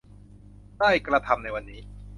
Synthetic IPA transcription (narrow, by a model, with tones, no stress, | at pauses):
daː˥˩jkɾa˧t̪ʰa˧mna˧jwa˧nːiː˦˥